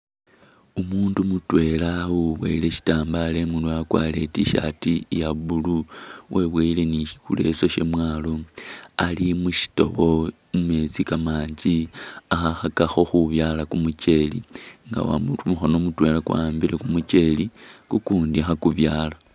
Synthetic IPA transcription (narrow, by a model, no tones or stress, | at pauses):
umuːndumutwe̞lawuβwḛile̞ʃi̥taːmbale̞munduakwa̰le̞tiʃa̰tijaβuluwʔeβweile̞niʃi̥kṵle̞̰so̞ʃe̞mwaːlo̞alimuʃi̥to̞̰βo̞ | mume̞t͡sikamaːɲd͡ʒiaxaxakaxo̞xuβjaːlakumut͡ʃe̞lḭŋɡa̰wa̰mutumuxo̞nomutwe̞lakwa̰ːmbiɾe̞kumut͡ʃe̞likukuːndiaxakuβjaːla